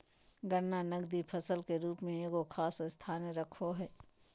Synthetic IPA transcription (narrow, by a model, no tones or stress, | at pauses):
ɡənːanɐɡd̪ipʰəsəlkeɾuːpmẽeːɡokʰaːsɪst̪ʰaːneɾɐkʰoɦɛː